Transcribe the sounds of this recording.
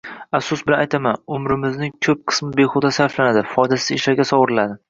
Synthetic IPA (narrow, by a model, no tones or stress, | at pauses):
afsʊsbɪlanajt̪ʰamanʊmɾɪmɪznɪŋkʲʰɵp̚qʰɨ̥smɪbeχʊd̪asaɾflanad̪ɪfɒjd̪asɪzeʃlaɾɡʲasɒwɾɪlad̪ɪ